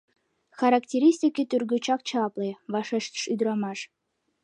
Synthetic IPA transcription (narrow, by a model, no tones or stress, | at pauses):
xɑɾɑktʲeɾʲisʲtʲikʲet̪yrɡøt͡ɕɑk̚t͡ɕɑpleβɑʃeʃt̪ə̥ʃyd̪ɾɑmɑʃ